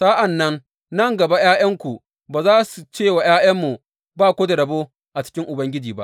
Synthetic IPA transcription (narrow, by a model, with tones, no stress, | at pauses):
sa˦ʔa˨nːɐ˦n | nɐ˦˨ŋɡɐ˨ba˦jaː˦jɐ˦ŋkʷu˨ | baː˨zaː˦su˨t͡ʃeː˦˨wa˨jaː˦jɐ˦mːu˨ | baː˦kʷoː˦da˨ɽɐ˨boː˦ | ʔa˨t͡ʃɪ̥˦kʲɪ˦ŋʔʊ˨bɐ˦ŋɡʲɪ˦d͡ʒiː˨ba̰˦ʔ